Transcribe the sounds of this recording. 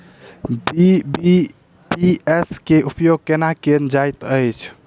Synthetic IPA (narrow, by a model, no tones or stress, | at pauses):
bbi | pieskeʔupjoɡ̚kenakend͡ʒajt̪əjt͡ʃʰ